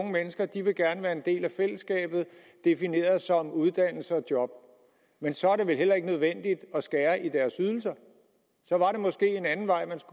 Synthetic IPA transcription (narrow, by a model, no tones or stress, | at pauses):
ŋəmenəsɡ̥ɐd̥iʋe̝ɡ̥æɐnəʋæːɐe̝nd̥e̝̰ːlæfel̰əsːɡ̥ɛ̰ːb̥ð̞̩ˠ | d̥e̝fine̝̰ːɐð̩ˠsɒ̽muð̞ˠd̥æn̰l̩səɒ̽d̥jɒ̽b̥̚ | mensɒ̽æɐɾ̥e̝ʋe̝lɦel̰ɐe̝ɡ̥ənøð̞ˠʋen̰d̥id̥ɒ̽sɡ̥æːɐʔid̥æɐsyð̞ˠl̩s̬ɐ | sɒ̽ʋɑ̈ɾe̝mɒ̽sɡ̥e̝̰ːe̝nænn̩ʋɑ̈ɪ̰mæns